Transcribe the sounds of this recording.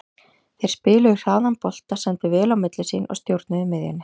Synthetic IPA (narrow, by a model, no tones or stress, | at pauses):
θejɾ̥spɪːlʏɣɾawðanpɔl̥t̪asɛnt̪ɪvɛːlawmɪt̪lɪsiːnɔ̰ɣst̪jowɾt̪nʏðɪmɪðjʏ̰nːɪ